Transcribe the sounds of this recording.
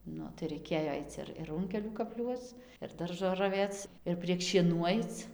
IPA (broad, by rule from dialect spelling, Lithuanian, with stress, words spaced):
ˈnʊ tɐɪ rɐɪˈkʲeːjoː ˈɐɪt͡s ɪr ɪr ˈrʊŋʲkʲɛlʲuː kɐpʲˈlʲuɔt͡s ɪr ˈdɐrʒoː rɐˈʋʲeːt͡s ɪr pʲrʲiɛk ʃʲiɛˈnuː ˈɐɪt͡s